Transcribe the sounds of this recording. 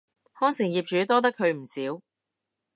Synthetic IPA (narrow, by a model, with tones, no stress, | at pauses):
hɔː˥ŋsɪ˨˩ŋjiː˨p̚t͡ʃyː˨˥t̪ɔː˥t̪̬ɐ˥kʰːɵ˨˧ɥm̩˨˩siː˨˥w